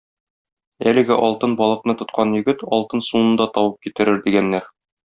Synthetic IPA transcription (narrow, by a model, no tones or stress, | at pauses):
ælɘ̆ɡɘʔɒlˠt̪ɤnbɒlˠɤ̆qnɤt̪ŏt̪̚qʰɑnjɵ̆ɡɘt̪ɒlˠt̪ɤnsunɤ̆nd̪ɑt̪ɒwɤp̚kit̪ɘ̆ɾɘɾd̪iɡænːæɾ